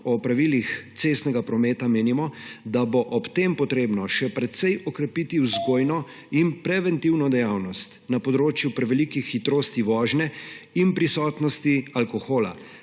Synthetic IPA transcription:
ɔpɾaʋilixt̪seːst̪nɛɡapɾɔmɛːt̪ameːnimɔd̪aboʔɔpt̪empɔt̪ɾeːbnɔʃɛpɾɛt̪sɛjɔkɾɛpit̪iwzɡoːjnɔ | inpɾɛʋɛnt̪iwnɔd̪ɛjawnɔst̪napɔd̪ɾoːt͡ʃjupɾɛʋɛlikixːit̪ɾoːst̪iʋɔːʒnɛinpɾisɔːt̪nɔst̪ialkɔxoːla̰

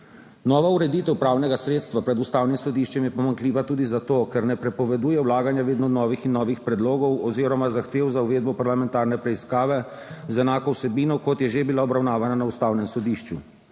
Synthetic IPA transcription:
nɔːʋauɾɛd̪iːt̪ɛwpɾaːwnɛɡasɾeːt̪st̪ʋapɾɛd̪ust̪aːwnimsɔd̪iːʃt͡ʃɛmjɛpɔmaŋkliːʋat̪uːd̪izat̪oːkɛɾnɛpɾɛpɔʋɛd̪uːjɛwlaːɡanjaʋeːd̪nɔnɔːʋixinːɔːʋixpɾɛd̪loːɡɔwɔziɾɔmazaxt̪eːwzauʋeːd̪bɔpaɾlamɛnt̪aːɾnɛpɾɛiskaːʋɛ | zɛnaːkɔwsɛbiːnɔkɔt̪jɛʒebilaɔbɾawnaːʋananaust̪aːwnɛmsɔd̪iːʃt͡ʃu

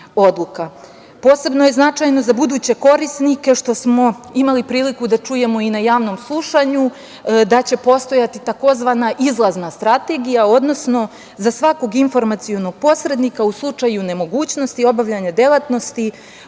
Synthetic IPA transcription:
o̞d̪lˠuka | po̞ːse̞bno̞je̞znat͡ʂajno̞zabud̪uːt͡ɕe̞ko̞ɾisnike̞ʃt̪o̞smo̞imalipɾiːlikud̪at͡ʂuje̞mo̞inajaːʋno̞mslˠuʃaɲu | d̪at͡ɕe̞po̞st̪o̞jat̪it̪ako̞zʋanaʔizlˠaznast̪ɾat̪e̞ɡijao̞d̪no̞sno̞ | zasʋako̞ɡinfo̞ɾmat̪sijo̞no̞ɡ̥̚po̞sɾe̞d̪nikauslˠut͡ʂajune̞mo̞ɡuːt͡ɕno̞st̪io̞baʋʎaɲad̪e̞lˠat̪no̞st̪i

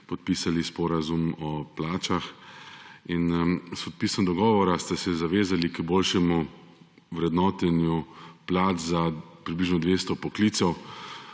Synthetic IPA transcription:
pɔt̪̚piːsalispɔɾazumɔplaːt͡ʃax | inspɔt̪̚pisɔmd̪ɔɡɔːʋɔɾast̪asɛzaʋeːzalikboːlʃɛmu | wɾɛd̪nɔːt̪ɛnjuplaːt̪zapɾibliʒnɔd̪ʋeːst̪ɔpɔkliːt̪sɛw

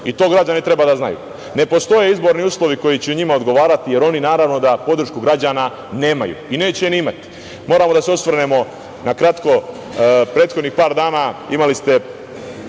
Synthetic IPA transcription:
it̪o̞ːɡɾad͡ʑanit̪ɾe̞baːd̪azna̰jṵː | ne̞po̞st̪o̞je̞izbo̞ɾniuːslˠo̞ʋiko̞jit͡ɕeuɲimaod̪ɡo̞ʋaːɾat̪ije̞ɾo̞ninaːɾaʋno̞d̪apo̞d̪ɾ̩ʃkuɡɾad͡ʑaːna | ne̞ːma̰jṵine̞ːt͡ɕeniimat̪i̥ | mo̞ːɾamod̪aseosʋr̩nemo̞ | nakɾat̪ko̞ | pɾe̞ːt̪xod̪niːxpaːɾd̪aːnaimalist̪e̞

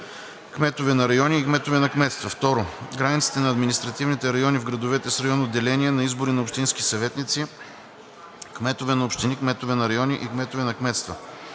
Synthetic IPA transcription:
kmɛt̪ʊvɛnɐɾɐjɔniːkmɛt̪ʊvɛnɐkmɛt̪st̪vɐft̪ɔɾʊɡɾanʲit̪t̪si̥t̪ɛnɐːd̪minist̪ɾɐt̪ivnit̪ɛɾɐjɔnivɡɾɐd̪ovɛt̪ɛsɾɐjɔnod̪ːɛlɛniɛnɐizbʊɾinɐopʃt̪inskisɐvɛt̪nit̪si | kmɛt̪ovɛnɐopʃt̪inikmɛt̪ovɛnɐɾɐjɔniʔikmɛt̪ovɛnɐkmɛt̪st̪vɐ

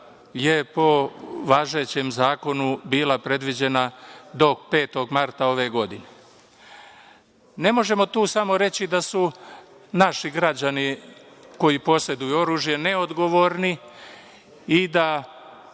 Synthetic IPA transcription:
je̞po̞ʋaːʒe̞t͡ɕe̞mzaːko̞nubiːlapɾe̞d̪ʋid͡ʑe̞nad̪o̞kpe̞ːt̪o̞ɡmaɾt̪ao̞ʋeɡo̞d̪ine̞ | ne̞mo̞ʒe̞mo̞t̪uːsamo̞ɾe̞t͡ɕid̪asu | naʃiɡɾad͡ʑaniko̞jipo̞sed̪ujuo̞ɾuːʒje̞ne̞o̞d̪ɡo̞ʋo̞ɾni | id̪a

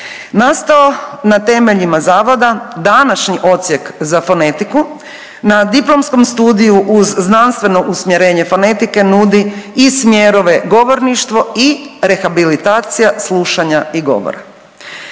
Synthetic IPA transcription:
nast̪aonat̪e̞meʎimazaːʋo̞d̪ad̪anaʃɲiʔo̞t̪sje̞kzafo̞ne̞t̪iku | nad̪iplˠo̞msko̞mst̪uːd̪ijuʔuzːnanst̪ʋe̞no̞ʔusmjeɾe̞ːɲe̞fo̞ne̞t̪ike̞nud̪iismjeɾo̞ʋe̞ɡo̞ʋo̞ɾniʃt̪ʋo̞iɾe̞xabilit̪aːt̪sijaslˠuʃaɲaiɡo̞̰ʋo̰ɾa̰

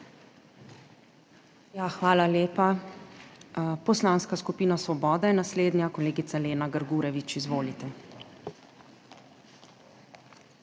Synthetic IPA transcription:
jaxʋaːlaleːpa | pɔslaːnskaskupiːnasʋɔbɔːd̪ajɛnasleːd̪njakɔleːɡit̪saleːnaɡəɾɡuːɾɛʋit͡ʃizʋoːlit̪ɛ

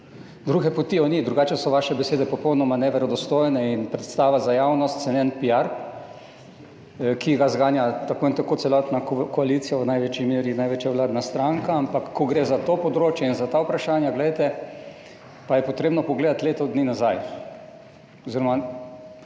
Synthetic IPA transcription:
d̪ɾuːɡɛpot̪iɔnid̪ɾuɡaːt͡ʃɛsɔʋaʃɛbɛseːd̪ɛpɔpɔwnɔmanɛʋɛɾɔd̪ɔst̪ojnɛinpɾɛt̪st̪aːʋazajawnɔst̪sɛnɛnpiaɾ | kʰiɡazɡaːnjat̪akoint̪akot̪sɛlɔt̪nakɔalit̪sijaʋənajʋeːt͡ʃimeːɾjinajʋeːt͡ʃjaʋlaːd̪nast̪ɾaŋkaampakːɔɡɾezat̪opɔd̪ɾoːt͡ʃjɛinzat̪awpɾaʃaːnjaɡlɛjt̪ɛ | pajɛpɔt̪ɾeːbnɔpɔɡleːd̪at̪leːt̪ɔd̪ninazaj | ɔziɾɔma

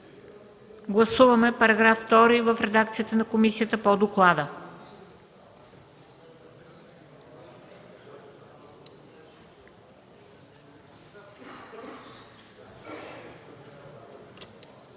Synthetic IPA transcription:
ɡlˠɐsuvɐmɛpɐɾɐɡɾafːt̪ɔɾivəfɾɛd̪ak̚t̪sijət̪ənɐkomisijət̪əpod̪oklˠad̪ə

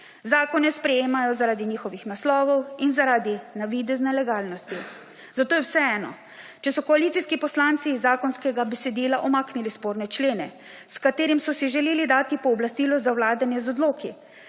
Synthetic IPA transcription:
zaːkɔnɛspɾɛjeːmajɔzaɾaːd̪iɲiːxɔʋixnaslɔːʋɔwinzaɾaːd̪inaʋid̪ɛznɛlɛɡaːlnɔst̪i | zat̪oːjɛwsɛɛːnɔ̰ | t͡ʃɛsɔkɔalit̪siskipɔslant̪sizːaːkɔnskɛɡabɛsɛd̪iːlaʔɔmaːknilispoːɾnɛt͡ʃleːnɛ | skat̪eːɾimsɔsiʒɛleːlid̪aːt̪ipɔːblast̪iːlɔzawlaːd̪anjɛzɔd̪loːki

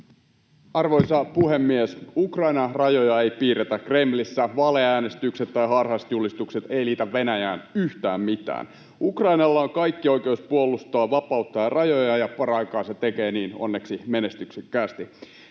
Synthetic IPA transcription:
ɑrʋo̞jsɑpuɦemːiesukrɑjnɑrɑjojɑe̞jpiːret̪ækre̞mlisːæʋɑleæːne̞st̪ykset̪tːɑjɦɑrɦɑst̪julist̪ukse̞t̪e̞iliːt̪æʋːe̞næjæːnyht̪æːmmit̪æ̰ːn | ukrɑinɑlːɑoŋkɑjkːiojkeuspuolust̪oɑːʋɑpɑut̪ːɑjɑrʔɑjojɑjɑpɑɾɑjkɑːset̪ekeːniːno̰nːeksimenest̪yksekːæːst̪i

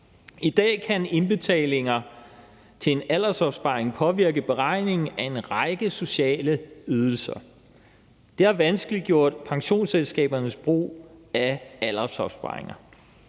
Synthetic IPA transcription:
id̥ɛ̰ːkʰæne̝nb̥e̝t͡sʰɛ̰ːle̝ŋɐ | t͡sʰe̝enælɐsɒ̽b̥sb̥ɑ̈ːeŋpʰɒ̽ʋiɐɡ̥əb̥e̝ʁɑ̈ɪ̰ne̝ŋn̩æe̝nʁɑ̈ɪɡ̥əso̝ɕɛ̰ːləyð̞ˠl̩sɐ | d̥e̝æɐʋænsɡ̥əlid̥̚ɡ̥jo̝ɐ̰d̥pʰɑ̈ŋɕo̝̰ːnselsɡ̥ɛ̰ːb̥ɐnəsb̥ʁo̝̰ːæælɐ̥sɒ̽b̥sb̥ɑ̰̈eŋɐ

